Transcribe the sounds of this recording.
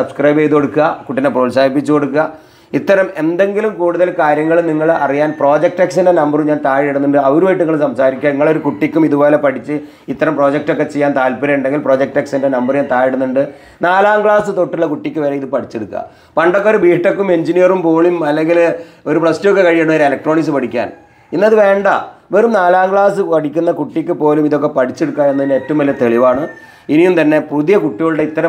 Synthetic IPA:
sɐbskrɐjbejðuko̞ɽukːɐkuʈːineproːlsaːd̪ipːit͡ɕːuko̞ɽuk̬ːɐ | it̪ːɐɾɐme̞nd̪e̞ŋɡilumkuːɽuðɐlkaːɾjɐŋːɐɭniŋːɐɭɐrijaːnpro̞ːd͡ʑek̚ʈeksindenɐmbɐrumɲaːnt̪aːɻiɽunːuɳɖɨɐʋoɾuʋejʈːuŋːɐɭɨmsɐmsaːɾikʲːɐniŋːɐɭo̞ɾukuʈːikʲːumiðubo̞ːlepɐʈit͡ɕːɨ | it̪ːɐɾɐmpro̞ːd͡ʑek̚ʈo̞kːe̞t͡ɕe̞jːaːnt̪aːlpiɾɐjuɳɖe̞ŋɡilpro̞ːd͡ʑek̚ʈːeksindenɐmbɐrɲaːnt̪aːjiɽunːuɳɖɨ | naːlaːŋɡɭaːsɨt̪o̞ʈːiɭːɐkuʈːikʲːɨʋeːɾɐiðɨpɐʈʰit͡ɕːeɽukːa̰ | pɐɳɖokːeoɾubiːʈːɐkːume̞ɲd͡ʑinijɐrumpoːɭimɐlːeŋɡiloɾupɭɐstjok̬ːe̞kɐɻijɐɳːmɐɾɨelɐk̚ʈro̞ːɳiksɨpɐʈikʲːa̰ːn | inːɐðɨʋe̞ːɳɖɐ̰ʋeːrumnaːlaːŋɡɭaːsɨpɐʈikʲːunːɐkuʈːikʲːɨpo̞ːlumiðo̞k̬ːe̞pɐʈʰit͡ɕːeɽukːaːenːɐinetːɐumʋɐlːɐt̪e̞ɭiʋaːɳɨ | inijumt̪ɐnːe̞puðijɐkuʈːiɣɐɭuɽeit̪ːɐɾɐ

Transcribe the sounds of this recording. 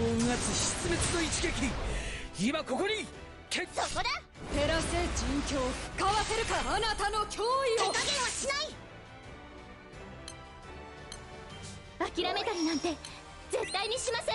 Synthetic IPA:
oŋɡat͡sɨɕi̥t͡sɨme̞t͡sɨno̞it͡ɕi̥kekʲiɲiimako̞ko̞ɲ̟i | kʰesokod̪e | t̪e̞ɾaɕt̪e̞t͡ɕĩŋkʲoːkkaβase̞ɾɯ̟kaːnat̪ano̞kʲoːiokaɡẽɰ̃oɕinai | akʲiɾame̞t̪aɾʲinãnt̪e̞ | ze̞t̪ːaiɲ̟iɕimasẽ

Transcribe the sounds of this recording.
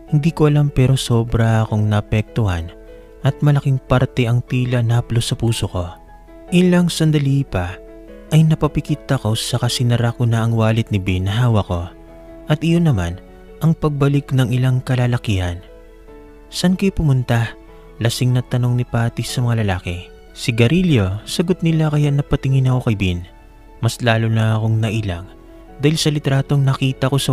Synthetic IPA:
hɪnd̪iːkoʔɐlampɛːɾo̞so̞ːbɾɐɐko̞ŋnɐʔɐpɛk̚t̪ʊha̰n | ʔɐt̪̚mɐlɐkiŋpɐɾt̪ɛʔɐŋt̪iːlɐnɐplosɐpuːsoko̞ | ʔɪlɐŋsɐnd̪ɐlipɐ | ʔɐjnɐpɐpɪkiːt̪ɐko̞sɐkɐsɪnɐɾakʊnɐʔɐŋwaːlɪt̪̚nɪbɛnɐɦaːwɐko̞ | ʔɐt̪ʔɪjo̞nːɐma̰n | ʔɐŋpɐɡ̚bɐlɪknɐŋɪlaŋkɐlaːlɐkihɐn | sɐʔɐnkojpʊmʊnt̪a | lɐsɪŋnɐt̪ɐno̞ŋnɪpaːt̪isɐmɐŋalɐlaːkɛ | sɪɡɐɾiljo̞sɐɡo̞t̪̚nɪlakɐjaʔnɐpɐt̪ɪŋɪnɐko̞kɐjbin | mɐslaːlonɐɐko̞ŋnɐʔila̰ŋ | d̪aːhɪlsɐlɪt̪ɾaːt̪o̞ŋnɐkiːt̪ɐko̞sɐ

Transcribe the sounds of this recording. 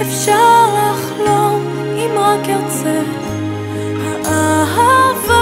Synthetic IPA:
efʃaʁlaχlov | imhakɛʁzɛ | haʔaɦava

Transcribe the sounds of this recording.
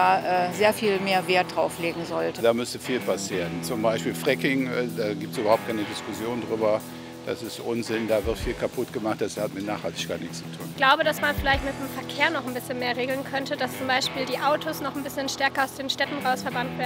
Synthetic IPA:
aːʔɛzeːɐfiːlmeːɐveːɐtd̥ʁaʊfleːɡŋ̩zɔltədaːmʏstəfiːlpʰasiːʁənt͡sʊmbaɪʃpiːlfʁ̥ɛkɪŋɛdaːɡiːptsʔyːbɐhʊp̚tkʰaɪnədɪskʊsjoːndʁyːbɐ | d̥a̰sɪstʔʊnzɪndaːvɪʁtfiːlkʰapʰʊtɡ̥əmaχt̚d̥ashatmɪtnaːχhaltɪ̥çkaːtnɪçst͡su̥tʰṵːnɡ̥laʊbəɾasmanfɪlaɪçtmɪt̚d̥emfɛɐkʰeːɐnɔχn̩bɪsçənmeːɐʁeːɡl̩nkʰœntədast͡sʊmbaɪʃpiːldiːʔaʊtʰosnɔχnbɪsçənʃtɛɐkɐaʊsd̥eːnʃtɛtn̩ʁaʊsfɛɐbantv̥eːn̩

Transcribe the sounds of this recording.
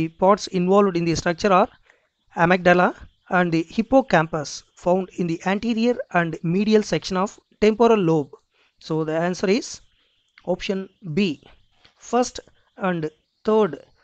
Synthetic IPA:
ipɔːɾʈsĩnʋɔːlʋɖĩnd̪isʈɾɐk̚t͡ʃəɾaːɾ | æmɛk̚ɖala | æ̃ɳɖd̪ihipːoːkæ̃mpəs | fãʊ̃ɳɖĩnd̪iʔæ̃ɳʈiːɾiəɾæ̃ɳɖmiːɖiəlsekʃə̃nɔːʋ | ʈẽmpoɾəlːoːb̚ | soːd̪iæ̃ːnsəɾiz̥ | ɔːpʃə̃nbiː | fɐɾsʈ | æ̃ɳɖ | t̪ʰəːɾɖ

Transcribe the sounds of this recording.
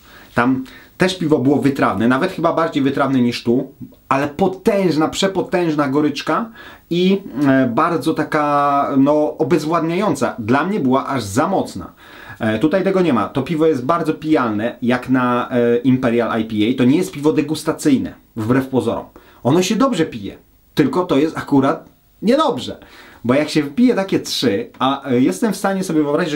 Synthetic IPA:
t̪amt̪ɛʂpʲivɔbɘwɔvɘt̪ɾavnɛnavɛt̪xɘbabaɾd͡ʑejvɘt̪ɾavnɛɲiʂt̪u | alɛpɔt̪ɛ̃w̃ʐnapʂɛpɔt̪ɛ̃w̃ʐnaɡɔɾɘt͡ʂka | ibaɾd̪zɔt̪akanɔɔbɛzvwad̪ɲajɔnt̪sa̰d̪lamɲɛbɘwaʔaʐzamɔt̪sna̰ | t̪ut̪ajt̪ɛɡɔɲɛma̰t̪ɔpʲivɔjɛst̪̚baɾd̪zɔpʲijalnɛjaknaʔimpɛɾjalʔa̰jpʲiɛjt̪ɔɲɛjɛst̪̚pʲivɔd̪ɛɡust̪at̪sɘjnɛ̰ | vbɾɛfpɔzɔ̰ɾɔ̰m | ɔnɔɕɛd̪ɔbʐɛpʲijɛ̰ | t̪ɘlkɔt̪ɔjɛst̪akuɾat̪̚ | ɲɛd̪ɔbʐɛbɔjakɕɛvpʲijɛt̪akʲɛtʂɘajɛst̪ɛmfst̪aɲɛsɔbʲjɛvɨɔbɾaʑid͡ʑ

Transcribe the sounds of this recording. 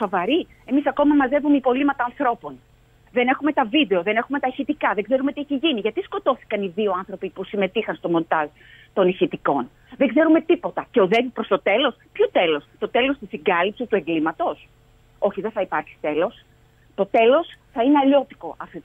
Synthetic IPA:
so̞vɐɾi | e̞misɐko̞mɐmɐze̞vumeipo̞limɐt̪ɐːnθɾo̞po̞n | ðe̞ne̞xume̞t̪ɐvid̪e̞o̞ðe̞nexume̞t̪ɐiçit̪ikɐðeɡze̞ɾumet̪ieçiʝiniʝɐt̪isko̞t̪o̞θi̥kɐniðio̞ɐnθɾo̞pipusime̞t̪ixɐnst̪o̞mo̞nt̪ɐl | t̪o̞niçit̪iko̞n | ðe̞ɡze̞ɾume̞t̪ipo̞t̪ɐce̞o̞ðe̞vipɾo̞st̪o̞t̪e̞lo̞spçot̪e̞lo̞st̪o̞t̪e̞lo̞st̪isiŋɡɐlipsist̪ueŋɡlimɐt̪o̞s | o̞çiðe̞θɐipɐɾçi̥st̪e̞lo̞s | t̪o̞t̪e̞lo̞sθɐineɐʎo̞t̪i̥ko̞ʔɐft̪ot̪

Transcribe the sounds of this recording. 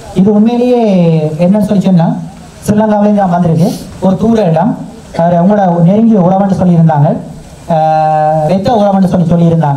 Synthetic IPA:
ɪðɯʊnmeːlɪjeːɛnːɐnːɯsɔlːit͡ʃːɔnːaː | sɪlːɐŋɡaːʋlɐnaːnʋɐnd̪ɪɾɯðɯɔɾɯt̪uːɽɐɛlːaːm | ɐʋɐɾʊŋɡɐɽɐneɾɯŋɡijʊɽɐmɐɳɖɯsɔlːɪɪɾɯnd̪aːŋɡɐɭ | ɾɛt̪ːɐʊɽɐmɐɳɖɯsɔlːisɔlːiɪɾɯnd̪aːŋɡɐɭ

